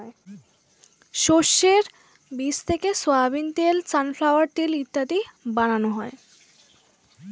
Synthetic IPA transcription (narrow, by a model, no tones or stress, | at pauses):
e | ʃoʃːeɾ | bist̪ʰekesoabint̪elt͡ɕanflawaɾʈ̪ilit̪ːat̪ibananoɦɔe